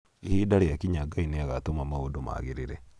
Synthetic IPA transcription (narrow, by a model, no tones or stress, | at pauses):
ihidaɾejakiɲaɡaineaɣatomamaodoma̰ɣiɾiɾe